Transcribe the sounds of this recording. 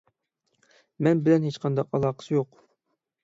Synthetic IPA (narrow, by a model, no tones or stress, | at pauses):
mɛnbɪlɛnɦet͡ʃqʰɑnd̪ɑqɑlˠɑqʰə̥sjoq